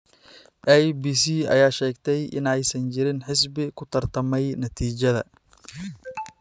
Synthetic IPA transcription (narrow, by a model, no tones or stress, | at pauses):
ʔɛjbiːsiːɐ̰jaːʃɛːɡt̪ʰɛjʔɪ̰nɛjsɐnt͡ʃɪɾɪnħɪsbɪkʰʊt̪ʰɐrt̪ʰɐmɛjnɐt̪ʰiːt͡ʃɐðɐ̰